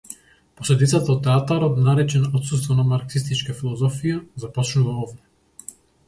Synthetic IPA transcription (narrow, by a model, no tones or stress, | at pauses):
pɔslɛd̪it̪sat̪aɔt̪ːɛat̪aɾɔt̪naɾɛt͡ʃɛnɔt̪sust̪vɔnamaɾksist̪it͡ʃkafilˠɔzɔfijazapɔt͡ʃnuvaɔvd̪ɛ